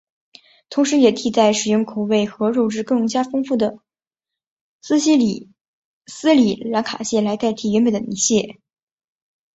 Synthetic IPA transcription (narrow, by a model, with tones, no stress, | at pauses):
t̪ʰʊ˧˥ŋʂɻ̩˧˥jɛ˨˩t̪ʰi˥˩t͡sa˥˩ɪʂɻ̩˨˩jʊ˥˩ŋkʰu˨˩ʊwe˥˩ɪxɤ˧˥ɻo˥˧ʊʈ͡ʂɻ̩˥˧kɤ˥˧ŋt͡ɕja˥fɤ˥ŋfu˥˩d̪ə˩ | sɹ̩˥ɕi˥l | sɹ̩˥li˨˩la˧˥ŋkʰa̰˨˩ɕjɛ˥˩la˧˥ɪt̪a˥˩ɪt̪ʰi˥˩ɥɛ˧˥nme˧˩nd̪ə˩ni˧˥ɕjɛ˥˩